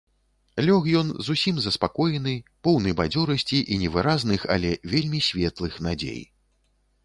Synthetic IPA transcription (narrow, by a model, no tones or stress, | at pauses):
lʲɔxjɔnzusʲimzɐspakɔjɛnɨpɔwnɐjbad͡zʲɔɾɐsʲt͡sʲiʔinʲɛvɨɾaznɨxa̰lʲɛvʲelʲmʲisʲvʲɛt̪lˠɨxnad͡zʲḛj